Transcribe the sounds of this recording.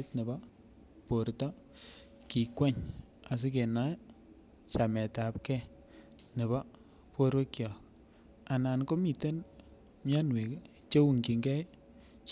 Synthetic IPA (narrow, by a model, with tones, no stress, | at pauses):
tnɪ˨ba˦ | po˨ɾta˦ | ki˨kwɛ˦ɲ | a˨s̬ɪ˦k̬e˨na˦ | t͡ʃa˨mɛ˨ta˨p̚kɛ˦ | nɪ˨ba˦ | po˦ɾwe˦kjɔ˨ | a˨na˨nko˦mi˨te˦n | mja˦nwe˨k | t͡ʃe˦wu˨ŋki˨ŋɡɛ˦ | t͡ʃ